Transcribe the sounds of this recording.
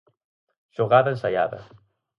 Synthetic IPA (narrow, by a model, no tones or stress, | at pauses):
ʃoɣaðaensaja̰ðɐ̰